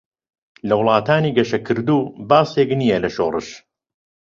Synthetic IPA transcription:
lɐwlˠɑːt̪ʰaːniːɡɐʃɐkʰɨɾd̪uːbaːseːkniːjɐlɐʃoːrɨ̰ʃ

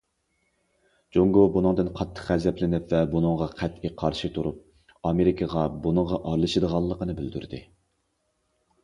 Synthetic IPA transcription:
d͡ʒoŋɡobunɨŋd̪ɨnqʰɑt̪ʰːə̥χɛzɛplɪnɪpvɛbunɨŋʁɑqʰɛt̪iqʰɑɾʃɨt̪ʰuɾup̚ | ɑmeɾikʰəʁɑbunɨŋʁɑʔɑɾlˠɨʃɨd̪əʁɑlˠːəqənɨbɪld̪y̰ɾd̪ɪ̰

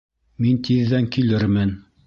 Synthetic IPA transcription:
mint̪iðːæŋkilɘɾmɘn

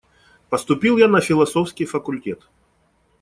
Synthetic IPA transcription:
pəst̪ʊpʲilˠjanɐfʲɪlˠɐsofskʲɪjfəkʊlʲtʲet̪

